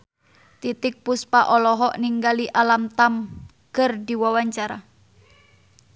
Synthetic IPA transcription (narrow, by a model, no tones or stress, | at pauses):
t̪it̪ɪk̚puspaʔɔlɔɦɔʔniŋɡaliʔalamt̪am | kərdiwawaɲt͡ʃaɾa